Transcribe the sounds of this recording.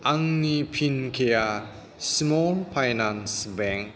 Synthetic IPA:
ʔaŋnipʰinkʰeja | smɔmpʰajnansbɛŋk̚

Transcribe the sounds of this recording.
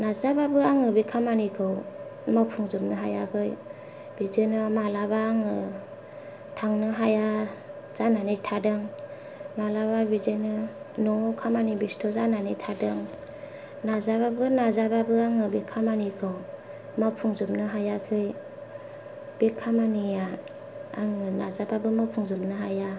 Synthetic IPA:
nazababɯaŋɯbikʰamanikʰɯwmapʰuŋzɯp̚nɯɦajakʰɯj | b̥id͡ʒɯnɯmalabaːŋɯ | tʰaŋnɯɦaja | z̥ananitʰadɯŋ | malaβabid͡ʒɯnɯ | nɔkʰamanibistʰɔzananitʰadɯŋ | nazababɯnazababɯaŋɯbikʰamanikʰɯw | mapʰuŋzɯp̚nɯɦajakʰɯj | b̥ikʰamania | aŋɯnazababɯmapʰuŋzɯp̚nɯɦaja

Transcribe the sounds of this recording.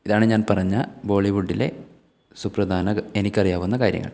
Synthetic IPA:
iðaːɳeɲaːnpɐrɐɲːɐbo̞ːɭiʋuɖːile̞̰ | suprɐd̪ʱaːnɐenikʲːɐrijaːʋunːɐkaːɾjɐ̰ŋːɐ̰ɭ

